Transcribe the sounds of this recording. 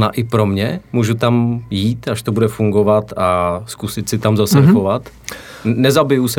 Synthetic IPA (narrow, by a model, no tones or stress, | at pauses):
na̰ːʔɪpɾo̞mɲɛmuːʒut̪amjiːt̪aʃt̪obudɛfuŋɡovat̪askusɪt̪sɪt̪amzasɛxovat̪ | nɛzabɪjusɛ